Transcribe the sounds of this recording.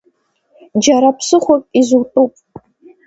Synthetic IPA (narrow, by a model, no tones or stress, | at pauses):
d͡ʒaɾapʰsɨχʷakʼizutʼupʼ